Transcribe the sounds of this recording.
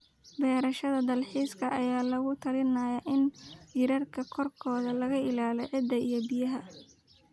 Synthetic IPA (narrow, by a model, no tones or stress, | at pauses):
bɛːɾɐʃɐðɐd̪ɐlħiːskʰɐʔɐjaːlɐɣʊt̪ʰɐlɪnaːjɐʔɪnjɪɾɐrkʰɐkʰɔrkʰɔːðɐlɐɣɐʔɪlaːlɛʕɪd̪ːɐijɔbɪjɐɦɐ